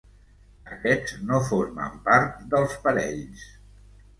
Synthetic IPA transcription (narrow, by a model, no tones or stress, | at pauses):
əkɛznofoɾmə̰mpaɾt̪̚d̪əlˠspəɾɛʎs